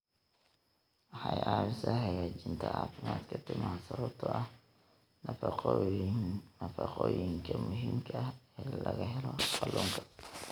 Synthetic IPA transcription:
wɑħɑjʔaːwɪsɐhɐjaːt͡ʃɪnt̪ʰɐa̰ːfɪmaːd̪kʰɐt̪ʰɪmaːsɐβɐbt̪ʰɔʔɐh | nɐfɑqɔ | nɐfɑqɔːjɪŋkʰɐmʊɦiːmkʰɐɐɛːlɐɣɐɦɛlɔqɑluːŋkʰɐ̥

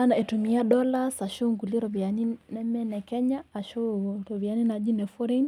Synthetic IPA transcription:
anaɛtumiaɗɔlasaʃuŋɡuliɾɔbianinɛmɛnɛkɛɲaːʃuɾɔβianinaʄinɛfɔɾɛn

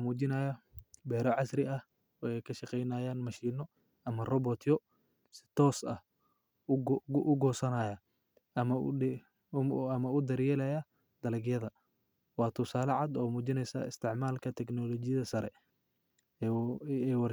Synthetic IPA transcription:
muːt͡ʃɪnɐjɐbɛːɾɔʕɑsrɪɐh | ɔɛjkʰɐʃɐqɛjnɐːjaːnmɐʃiːnɔ | ʔɐmɐrɔbɔt̪ʰjɔ | sɪ̥t̪ʰɔːsɐ̰h | ʔʊɡɔːsɐnaːjɐ | ɐmɐ | ɐmɐʊd̪ɐɾjɛːlɐjɐ | d̪̥ɐlɪɡjɐðɐ | wɑːt̪ʰʊsaːlɐʕɑd̪ɔːmuːt͡ʃɪnɛjsɐ̰ɪst̪ʰɪʕmaːlkʰɐt̪ʰɛknɔlɔt͡ʃɪjɐðɐsɐɾɛ | ɛwɑr

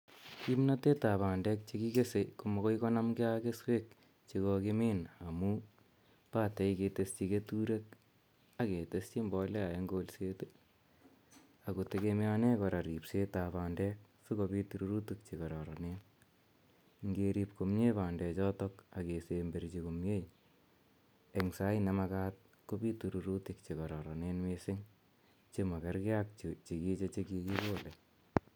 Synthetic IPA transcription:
kimnat̪et̪aβandɛk̚t͡ʃikikesekumɔkɔjkɔnɐmɡeakeswek̚ | t͡ʃiɣɔkemeːnamu | paːt̪ejket̪est͡ʃiket̪uɾek̚ | aket̪est͡ʃimbɔlɛajeŋɡolset̪u | akut̪ekemeanɛkɔɾaɾipset̪apaːndɛk̚ | sukobituɾuɾutuk̚t͡ʃikɔɾɔɾɔnen | ŋɡeɾipkomɲepandɛt͡ʃɔtɔkakesembeɾt͡ʃikumjej | eŋsajnɛmɐkaːt̪̚ | kobituɾuɾutikt͡ʃikɔɾɔɾɔnenmesɪŋ | t͡ʃemɐkaɾkɪak̚t͡ʃit͡ʃikit͡ʃet͡ʃekikikole

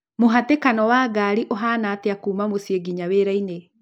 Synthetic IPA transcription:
moɦatekanɔwaɡaːɾiʔoɦaːnaːteakuːmamosieɡiɲaweɾaine

